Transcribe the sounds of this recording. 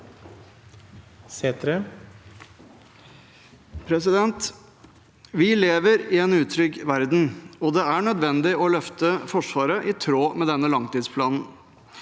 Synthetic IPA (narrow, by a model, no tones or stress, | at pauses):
seːt̪ɾe | pʰɾɛsɪd̪ɛnt̪ | ʋɪleːʋəɾɪɛnʉːt̪ʰɾʏɡʋæɾd̪n̩ɔd̪ɛæɳœd̪ʋɛnd̪ɪɔlœft̪əfɔʂʋɑːɾəʔɪt̪ʰɾoːmɛd̪ɛnːəlɑŋt̪iːd̪spʰlɑːnn̩